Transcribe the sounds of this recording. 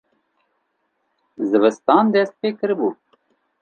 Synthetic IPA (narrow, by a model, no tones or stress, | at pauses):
zəβəst̪ɑːnd̪eːs̚peːkəɾbu